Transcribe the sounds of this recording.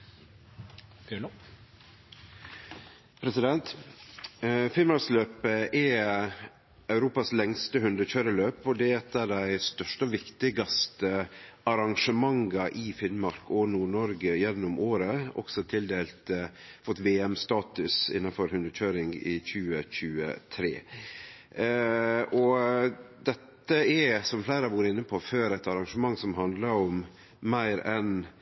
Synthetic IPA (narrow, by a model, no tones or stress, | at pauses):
pʰɾɛsɪd̪ɛnt̪ | fɪnmɑɾksløːpəʔɛ | ɑʉɾuːpɑslɛŋst̪əhʉnd̪əçøːɾəløːpɔd̪ɛɛt̪ːəɖæɪst̪œʂʈɔʋɪkt̪ɪɡɑst̪əɑɾɑŋʂəmɑŋɡɑʔɪfɪnmɑɾkɔnuːɳɔɾɡəjɛnːʊmʔoːɾəɔ̰ksɔt̪ʰɪld̪eːlt̪ | fɔt̪ʋeːɛmst̪ɑːt̪ʉsɪ̰nːɑfɔɾhʉnd̪əɾçøːɾɪŋɪçʉːəçʉːə̰t̪ʰɾḛː | ɔ | d̪ɛt̪ːəɛsɔmflæɪɾəɑʋuːɾəɪnːəpʰoføːɾæt̪ɑɾɑŋʂəmɑŋːsɔmɦɑnd̪lɑɾɔm | mæɪɾɛn